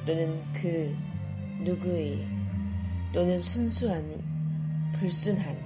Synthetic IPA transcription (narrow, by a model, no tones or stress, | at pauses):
t͈onɯn | kɯ | nuɡue | t͈onɯnsʰunsʰuɦanḭ | pɯɭs͈unɦan